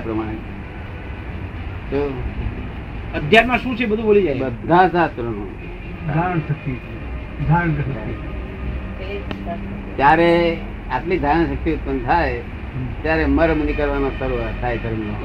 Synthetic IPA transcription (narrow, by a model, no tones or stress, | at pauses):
pɾəmaɽ | t̪o | əd̪ʱjaɾmãʃũt͡ʃʰebəd̪ʱũbolid͡ʒabəd̪ʱãsasɾəno̰n | dʱaɾəɳsək̚t̪it͡ʃʰe | d̪ʱaɾəɳkəsəa | t̪jaɾe | apliːd̪ʱaɾə̃ɳsək̚t̪iut̪̚pənt̪ʰae | t̪jaɾeməɾmənikəɾʋanosəɾuʋat̪ʰajkəɾna